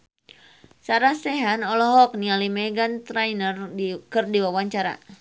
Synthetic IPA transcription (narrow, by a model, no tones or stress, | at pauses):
saɾasɛɦanɔlɔɦɔk̚nialimɛɡant̪ɾajnərkərdiwawaɲt͡ʃaɾa̰